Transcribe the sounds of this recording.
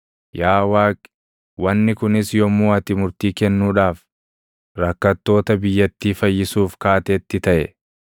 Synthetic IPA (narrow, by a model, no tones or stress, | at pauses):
jaːwaːkʼ | wɐnːɪkʊnɪsjɔmːuːɐt̪ɪmʊɾt̪iːkɛnːuːᶑaːf | ɾɐkːɐt̪ːo̞ːt̪ɐbɪjːɐt̪ːiːfɐjːɪsuːfkaːt̪eːt̪ːɪt̪ɐʔɛ̰